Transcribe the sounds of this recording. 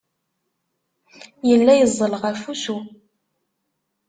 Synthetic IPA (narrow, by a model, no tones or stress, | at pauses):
jəlːæjəzˤːəlʁafusu